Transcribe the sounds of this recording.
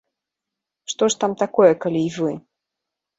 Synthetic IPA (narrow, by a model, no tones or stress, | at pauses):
ʂt̪ɔʂt̪amt̪akɔjɛkalʲiːvɨ